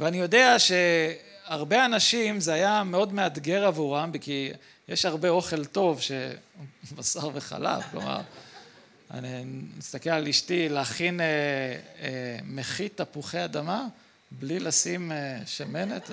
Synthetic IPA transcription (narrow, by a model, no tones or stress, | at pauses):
veanijo̞de̞aʃe̞aʁbe̞anaʃimzeajame̞o̞dme̞ad̪ɡe̞ʁavuʁambiki | jeʃhaʁbe̞o̞χe̞lto̞vʃe̞ | basaʁveχa̰la̰fklo̰ma̰ʁ | a̰nimist̪akelaliʃtileaχine | meχit̪ːapuχead̪ama | blilasimeʃame̞net̪